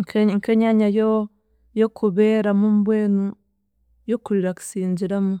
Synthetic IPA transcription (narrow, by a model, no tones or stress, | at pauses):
ŋkeŋkeɲaɲajo | jokʰubeɾamumbenu | jokuliɾaksind͡ʒiɾamu